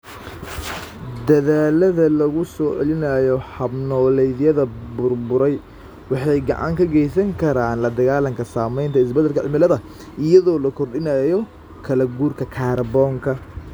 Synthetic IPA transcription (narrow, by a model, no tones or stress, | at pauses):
d̪ɐðaːlɐðɐlɐɣʊsɔːʕɛlɪnɐjɔhɐbnɔːlɛjðjɐðɐbʊrbʊɾɛj | wɑħɑjɡɑ̰ʕɑ̰ŋkʰɐɡɛjsɐŋkʰɐɾaːnlɐd̪ɐɣaːlɐŋkʰɐsaːmɛjnt̪ʰɐɪs̬bɐd̪ɐlkʰɐʕɪmɪlɐðɐ | ʔɪjɐðɔːlɐkʰɔrɗɪnɐjɔ | kʰɐlɐɡuːrkʰɐkʰaːrbɔːŋkʰɐ